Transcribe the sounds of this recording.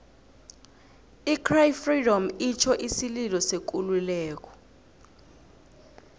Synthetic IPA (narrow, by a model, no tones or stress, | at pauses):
ikʰrajfridɔmit͡ʃʰɔʔisililɔsek̬ululɛːk̬ɔ̥